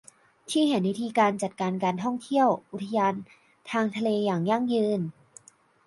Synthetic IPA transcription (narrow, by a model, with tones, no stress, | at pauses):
t̪ʰiː˥˩ɦa˨˩˦nwi˦˥t̪ʰiː˧kaː˧nt͡ɕa˨˩t̪̚kaː˧nkaː˧nt̪ʰɔ˥˩ŋt̪ʰi˥˩əwʔu˨˩t̪ʰːa˧jaː˧n | t̪ʰaː˧ŋt̪ʰa˧leː˧jaː˨˩ŋja˥˩ŋjɯː˧n